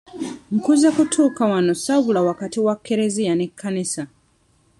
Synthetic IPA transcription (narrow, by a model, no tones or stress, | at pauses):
ŋ̩kuzakutʰuːkawano̞saβulawakatiwakʰːeɾe̞zijanekʰːanisa